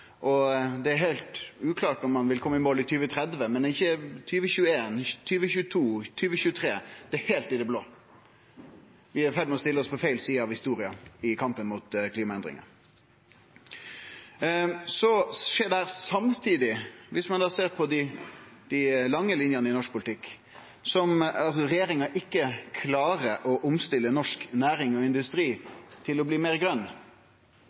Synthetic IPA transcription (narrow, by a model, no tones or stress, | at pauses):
ʔɔd̪ɛæɾheɪlt̪ʉːkʰlɑːʈɔmːɑnʋɪlkʰɔmːəɪmoːlɪt̪ʰyːʋət̪ʰɾɛd̪ʋəmɛnɪçːət̪ʰyːʋəçʉːəeːnt̪ʰyːʋəçʉːət̪ʰuːt̪ʰyːʋəçʉːət̪ʰɾeːd̪̥ɛɛheːlt̪ɪd̪ɛbloː | ʋɪæɾfɛd̪mɛɔst̪ɪləɔspʰɔfæɪlsiːəɑʋhɪst̪uːɾɪɑɪkʰɑmpənmʊt̪kʰliːmɑɛnd̪ɾɪ̰ŋɑ̰ | sɔʂeːd̪ɛhæːʁsɑmt̪ʰiːd̪ɪʋɪsmɑnd̪ɑːseːʁpʰɔd̪ɪd̪̥æɪlɑŋːəlɪnjɑnəɪnɔʂk̚pʰʊlɪt̪ʰɪkː | sɔmɑlsɔɾɛjeːɾɪŋɑʔɪkːəkʰlɑːɾəʔɔʔʊmst̪ɪlːənɔʂknæːɾɪŋɔɪnd̪ʉst̪ɾiːt̪ʰɪlɔbliːmeːʁɡɾʁœnː